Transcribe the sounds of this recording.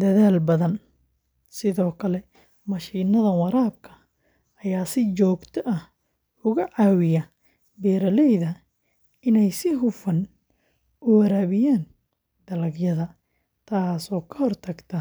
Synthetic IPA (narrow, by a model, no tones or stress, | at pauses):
d̪̥ɐðaːlbɐðɐn | sɪðɔːkʰɐlɛ | mɐʃiːnɐðɐwɐɾaːb̚kʰɐ̥ | ɐjaːsɪt͡ʃɔːɡt̪ʰɔʔɐh | ʊɣɐʕɑːwɪjɐ | bɛːɾɐlɛjðɐ | ɪnɛjsɪɦʊfɐn | ʔʊwɐɾaːβɪjaːn | d̪ɐlɐɡjɐðɐ | t̪ʰaːsɔːkʰɐhɔrt̪ʰɐɡt̪ʰɐ